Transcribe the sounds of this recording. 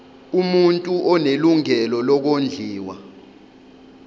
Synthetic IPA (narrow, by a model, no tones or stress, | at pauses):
umuntʼuʔɔneluŋɛlɔlɔk̬ond͡ɮʱiːwa